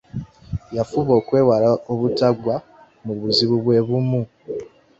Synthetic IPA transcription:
jafuβo̞kwe̞ːwaɾaoβutaɡwa | muβuziβuβweβumu

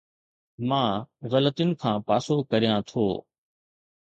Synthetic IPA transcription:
mãːɣɐlət̪inɪ̆kʰãːpaːsokɐɾijãt̪ʰoː

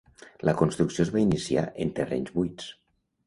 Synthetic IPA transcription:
ləkonst̪ɾuksiozβainisia̰ʔent̪erɛ̰ɲzβujs

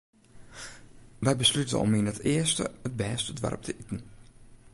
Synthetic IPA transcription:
ʋɛjbəslytə̰ɔ̰minətʰɪəstə̰ət̚bɛːstədʋa̰rp̚tʰəʔitn̩

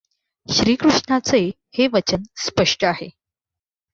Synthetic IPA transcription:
ɕɾiːkɾuʂɳat͡se | heʋət͡ɕənspəʂʈəahe

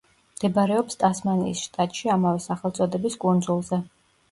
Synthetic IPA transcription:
md̪ɛbaɾɛɔpst̪ʼasmanḭːsʃt̪ʼat̪ʼʃiamavɛsaχɛlˠt̪sʼɔd̪ɛbiskʼund̪zulˠzɛ

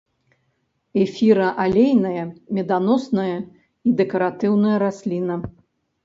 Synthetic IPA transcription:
ɛfʲiɾɐʔalʲejnɐjɐmʲɛd̪anɔsnɐjɐ | id̪ɛkɐɾat̪ɨwnɐjɐɾasʲlʲinɐ

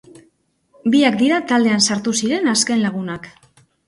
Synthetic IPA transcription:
biakd̪iɾat̪ald̪e̞ansaɾt̪usiɾe̞naske̞nlaɣ̞unak

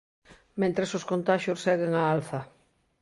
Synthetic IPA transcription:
mẽnt̪ɾesoskont̪aʃosːɛɣeŋaalθɐ

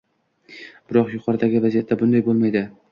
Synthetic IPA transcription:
b̥ɪɾɒqjʊqʰɒɾɪd̪aɡʲɪvazijat̪ʰːabʊnd̪ajbolˠmajd̪ɪ

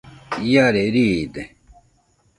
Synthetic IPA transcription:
jaːɾeɾid̪e

